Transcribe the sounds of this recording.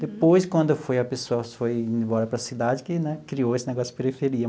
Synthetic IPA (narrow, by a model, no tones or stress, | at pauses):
d̪epojskwɐ̃nd̪ʊfojɐpesoɐfoj̃bɔɾɐpɾɐsid̪ad͡ʒɪkɪnɛkɾiowesɪneɡɔsʊɪpeɾifeɾiɐ